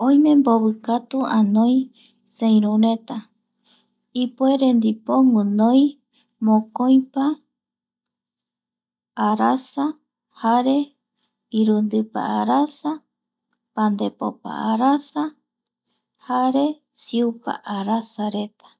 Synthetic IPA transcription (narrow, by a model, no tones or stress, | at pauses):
õjmẽ̞mboβɨkat̪uãnõj̃ | sẽj̃ɾũɾe̞t̪a | ipueɾend̪ipo̞ŋunõj | mõkoj̃pa | ɾasa | haɾe̞ | iɾund̪ɨpa̰aɾasa | pand̪epo̰pa̰aɾasa | haɾe̞ | siupa̰ʔaɾasaɾe̞t̪ḁ